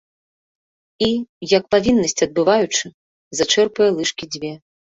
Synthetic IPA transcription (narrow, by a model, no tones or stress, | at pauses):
ijɐk̚pavʲinːɐsʲt͡sʲɐd̪̚bɨvajut͡ʂɨ | zat͡ʂɛrpɐjɛlˠɨʂkʲid͡zʲvʲɛ